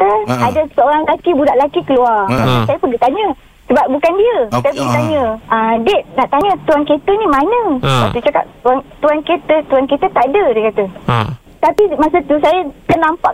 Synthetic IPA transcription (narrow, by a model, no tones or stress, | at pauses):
t̪əadəsəoɾaŋlakibudaʔlakikəluarmasasajəpəɡət̪aɲə | səbap̚bukandiəsajəpəɡit̪aɲə̃ədɛt̪̚naʔt̪aɲət̪uanket̪ənĩmanə̃wa̰kt̪ut͡ʃaka̰p̚t̪uant̪uanket̪ət̪uankit̪ət̪aʔadədekat̪ə | t̪apimasət̪usajəkənlampaʔ